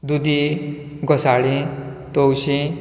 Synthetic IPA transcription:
d̪ud̪i | ɡɔsaɭĩ | t̪ɔwɕi

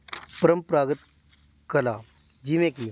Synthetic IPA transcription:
pəɾəmpɾaɡət̪ | kəla | d͡ʑimẽki

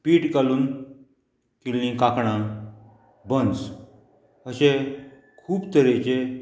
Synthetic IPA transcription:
piːʈɡaluːn | kilːĩkakɳã | bə̃nd͡z | əɕẽ | kʰuːbt̪əɾet͡ɕe

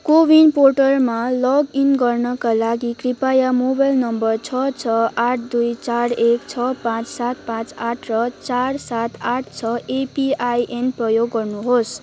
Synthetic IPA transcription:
kobinporʈʌrmalʌɡinɡʌrnʌkalaɡikripajamobajlnʌmbʌrt͡sʰʌt͡sʰʌaʈʰd̪ujt͡saɾekt͡sʰʌpãt͡ssat̪̚pãt͡saʈʰrʌt͡sarsat̪aʈ̚ʰt͡sʰʌepiajʔenprʌjoɡːʌrnuɦos

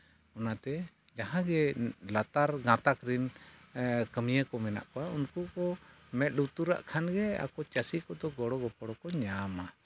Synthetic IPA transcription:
ɔnat̪ɛ | d͡ʒaɦãɡɛlat̪aɾɡãt̪akɾin | kəmijəkɔmɛna̰ʔkɔaunkukɔ | mɛt̪̚ˀɖut̪uɾa̰ʔkʰanɡɛa̰kɔt͡ʃasikɔd̪ɔɡɔɽɔɡɔpɔɽɔkɔɲama

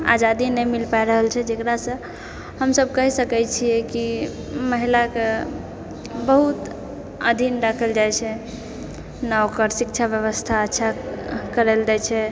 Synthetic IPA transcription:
a̰d͡ʒad̪inəjmilpajɾəɦəlt͡ʃʰɛd͡ʒekɾasə̃ | həmsəb̚ʱkəɦisəkɛt͡ʃʰijɛki | məɦilake | bəɦut̪ | ə̰d̪ʱinɖakʰəld͡ʒajt͡ʃʰɛ | nawkəɾsik̚t͡ʃʰabjəβəst̪ʰaətːʃʰakəɾeld͡ʒat͡ʃʰɛ

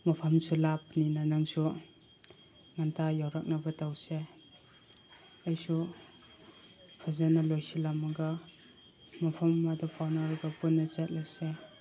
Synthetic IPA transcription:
mɐpʰamsʰulap̚ninanaŋsu | ŋantʰajawɾak̚nabɐtawse | ajsu | pʰazanalojsilamɐɡa | mɐpʰɐmːadɔpʰawnaɾɡapunːɐt͡ʃet̚lajse

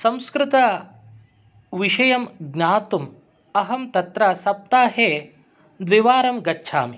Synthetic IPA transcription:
sɐ̃mskɾɪt̪ɐ | ʋiʃɐjɐmɡnaːt̪um | ɐɦɐmt̪ɐt̪ɾɐsɐp̚t̪aːɦeː | d̪ʋiʋaːɾɐmɡɐtːʃʰa̰ːmi

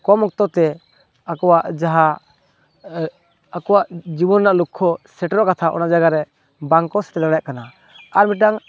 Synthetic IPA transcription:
kɔmɔk̚t̪ɔt̪ɛ | akɔwaʔd͡ʒaɦa | akɔwaʔd͡ʒibɔnnaʔlukʰːɔsɛʈɾɔʔkat̪ʰaʔɔ̰naʔd͡ʒaɡaɾɛ | baŋkɔsɛ̥t̪ɛd̪aɽajaʔkana | aɾmiʈaŋ

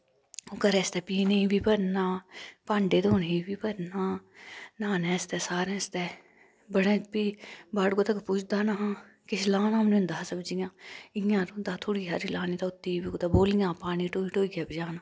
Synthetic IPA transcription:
okəɾɛːst̪ɛːpiːneĩbʱiːpɐɾnaːpãːɳɖeːd̪oːnĩbiːpɐɾnaːnãːnɛ̃ːst̪ɛːsaːɾɛ̃ːst̪ɛː | bəɽẽːbiːbaːɽkoːt̪ɐkpuːt͡ʃʰd̪aːnaɦãː | kɪʃlãːnaːmniʊ̃nd̪aːsəbd͡ʒijãːɪjãːɾnd̪aːt̪ʰoːɽiɦaːɾilaːnit̪aʊt̪ːiːbikot̪aboːlijãːpaːniʈoːiʈoːiɡjaːpid͡ʒaːnaː

